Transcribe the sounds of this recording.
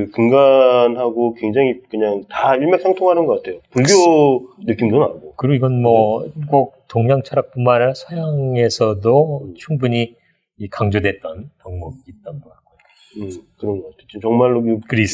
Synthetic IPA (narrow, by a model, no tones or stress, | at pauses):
ɯkɯŋɡanɦaɡokwe̞ŋd͡ʑaŋikɯɲaŋtaiɭmjʌk̚sʰaŋtʰoŋɦanɯnɡʌk͈atʰe̞jopuɭɡjonɯk͈imdonanɡokɯɾiɡoiɡʌnmʌɡok̚toŋɲaŋt͡ɕʰʌɾak̚p͈unmanɯɭsʰʌjaŋe̞sʰʌdot͡ɕʰumbuɲi | ikaŋd͡ʑodwe̞t̚t͈ʌnpʌŋmuɡiːt̚t͈anboak͈o | kɯɾʌnɡʌk͈atʰeot͡ɕit͡ɕʌŋmaɭːokkɯɾis